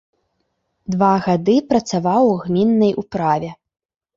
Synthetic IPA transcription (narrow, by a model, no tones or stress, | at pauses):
d̪vaɣad̪ɨpɾɐt̪savawɣmʲinːɐjʔupɾavʲɛ